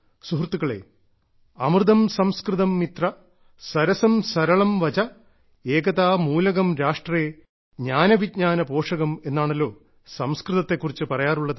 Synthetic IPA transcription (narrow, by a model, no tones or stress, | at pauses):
suɦrt̪ːuɣɐɭe̞̰ː | ɐmrɨðɐmsɐmskrɨðɐmːit̪rɐ | sɐɾɐsɐmsɐɾɐɭɐmʋɐt͡ɕɐ | eːɡɐðaːmuːlɐɣɐmɾaːʂʈreː | ɲaːnɐʋidɲaːnɐpo̞ːʂɐɣɐme̞nːaːɳɐlːo̞ː | sɐmskrɨðɐt̪ːe̞kːurit͡ɕːɨpɐrɐjaːruɭːɐðɨ